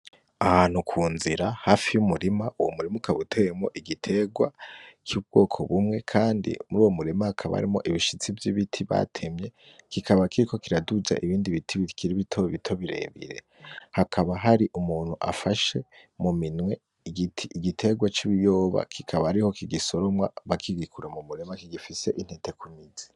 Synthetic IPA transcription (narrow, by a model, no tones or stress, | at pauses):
ahanhukʰuːnziɾahaːfijumuɾimaʔuwomuɾimukaβutʰeemo̞̰ʔiɡitʰe̞ɡwat͡ʃuːbɡ̥o̞ːkʰo̞βumŋe̞kʰaːndḭmuɾuːwomuɾimahakʰaβa̰a̰ɾimo̞̰ʔiβiʃit͡sivjiβitʰiβa̰tʰemɲe̞ | kikʰaβakiɾiko̞kiɾaduza̰ʔiβiːndiβitʰiβikiɾiβitʰoβitʰo̞βiɾe̞̰ːβḭɾe̞̰ | hakʰaβaɦaɾiʔumuːn̥huʔa̰faʃe̞muminwe̞ | tʰːɡitʰe̞ɡwat͡ʃiβijo̞ːβa̰kʰikʰaβahaɾiho̞kiɡiso̞ɾo̞mwa̰βakʰiɡikʰuɾamumuɾe̞makiɡifise̞ʔin̥hete̞kumiz̥i̥